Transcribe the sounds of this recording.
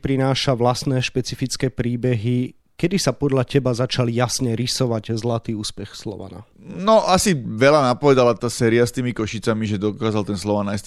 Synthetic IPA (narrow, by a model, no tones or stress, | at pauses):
pɾinaːʃaʋlasnɛːʃpɛt͡sifit͡skɛːpɾiːbɛɦi | kɛd̪isapɔd̪ʎacɛbazat͡ʃaljasɲɛɾisɔʋaɟzlat̪iːuːspɛxslɔ̰ʋa̰na̰ | nɔʔasiʋɛlanapɔʋɛd̪alat̪aːsɛːɾiast̪iːmikɔʃit͡samiʒɛd̪ɔkaːzalt̪ɛnslɔʋanajs